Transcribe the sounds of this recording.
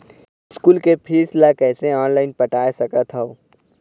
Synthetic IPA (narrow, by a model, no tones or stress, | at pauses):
ɪskuːlkepʰiːslakɛːseɔːnlaːɪnpɐʈaːjsɐkət̪ʰɦao